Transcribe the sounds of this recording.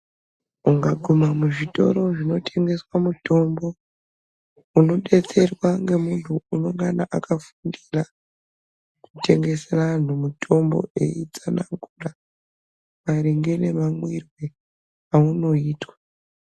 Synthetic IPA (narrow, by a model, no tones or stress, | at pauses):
uŋɡaɡʱomamuʐito̞̰ɾo̞ʐino̞tʰe̞ŋɡe̞swamuto̞mbo̞ | uno̞ɗe̞t͡se̞rwaŋɡe̞muntʰuunoŋɡanaʔakafundira | kute̞ŋɡe̞seran̤umutʰo̞mbo̞̰e̞̰it͡sanaŋɡura | maɾiŋɡe̞ne̞mamwirwe | auno̞iːtwḁ